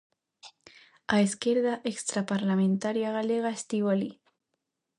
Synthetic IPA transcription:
aeskeɾðaʔekst̪ɾapaɾlamẽnt̪aɾjaɣaleɣaest̪iwali

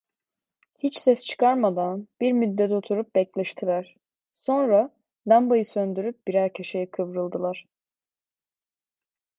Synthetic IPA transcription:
hit͡ʃsɛst͡ʃʰɯ̥kʰaɾmad̪anb̥iɾmyd̪ːɛt̪o̞t̪ʰuɾup̚bɛclʲɛʃt̪ʰilʲˠæɾ̥ | so̞nɾa | d̪ambajɯsønd̪yɾyp̚biɾæɾcʰeʃejikʰɯvɾɯlˠd̪ɯlˠaɾ̥

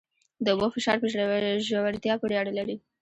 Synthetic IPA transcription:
d̪əʊbofɪʃɑɾpəʒʒawaɾt̪jɑpəɽjɑɽalaɾi

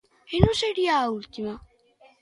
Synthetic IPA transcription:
enuseɾiault̪ima

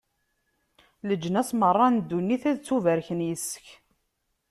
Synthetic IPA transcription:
ləd͡ʒːənæsmərˤːɑnd̪ːunːiθæðt͡sːuvæɾçənjəsə̥ç

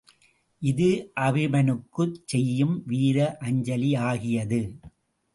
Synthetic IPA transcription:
ʔɪðɯʔɐʋɪmɐnɯkːɯt͡ʃsɛjːɯmʋiːɾɐʔɐɲd͡ʒɐliaːɣɪjɐðɯ

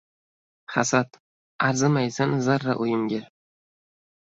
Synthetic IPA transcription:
χasat̪ | aɾzɪmajsanzaɾːaʔʊjɪmɡʲɪ

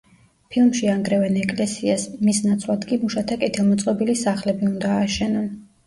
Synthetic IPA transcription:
pʰilˠmʃiaŋɡɾɛvɛnɛkʼlɛsiasmisnat̪sʰlˠad̪kʼimuʃat̪ʰakʼɛt̪ʰilˠmɔt̪sʼqʼɔbilisaχlɛbiund̪aːʃɛnɔn

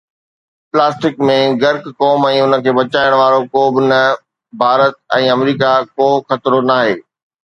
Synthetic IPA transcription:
plaːsʈɪkmẽɡɐɾkkɔːmɛ̃ːʊnə̆kʰeːbɐt͡ɕaːɪɽ̃ʋaːɾokoːbɪnɐ | bʱaːɾət̪̚ɛ̃ːɐmɾiːkakoːxɐt̪ɾonaːɦeː

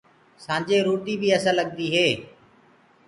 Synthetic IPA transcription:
sãːd͡ʒeːɾuːɾd̪iːbʱiːəsãːləɠnd̪iːɦeː

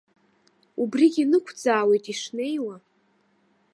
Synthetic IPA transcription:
ubriɡʲinɨkʷʰd͡zaːwe̞jtʼiʂne̞jwa

